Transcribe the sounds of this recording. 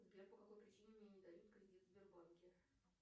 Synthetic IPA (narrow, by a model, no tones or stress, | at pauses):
zɡlʲeppəkɐkojpɾʲɪt͡ɕinʲɪmnʲenʲɪd̪ɐjut̪kɾʲɪdʲit̪vbʲɪrbonʲkʲɪ